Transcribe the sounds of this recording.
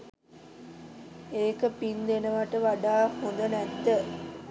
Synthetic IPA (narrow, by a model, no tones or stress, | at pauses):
eːkəpind̪enəʋaʈəʋaɖaːhund̪ənæt̪ːə